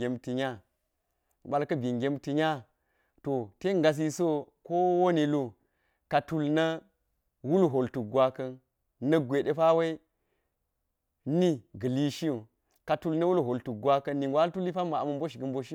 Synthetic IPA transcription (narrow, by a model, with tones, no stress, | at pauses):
e˨mti˨ɲa˦˨ | ɓa˨lkɐ˦bi˨ŋɡʲe˨˦mti˨ɲa˦ | to˨te˦ŋ˦ɡa˨s̬i˦so˦ | ko˦wo˦ni˨lo˦ | ka˨tu˨lnɐ˦ | wu˦lɦo˨ltu˨k̚ɡʷwa˦kɐ˦n | nɐ˦ɡʷe˨ɗe˦fa˦we˦i˦ | ni˦ɡə˨li˦ʃi˦o˨ | ka˨tu˨lnɐ˦wu˦lɦo˨ltu˨k̚ɡwa˦kɐ˦nːi˨ŋɡʷwʷa˦tu˦li˦pa˦ma˨a˨mɐ˦m˦bo˦ʃ̬i˨ɡɐ˨mbo˦ʃi˦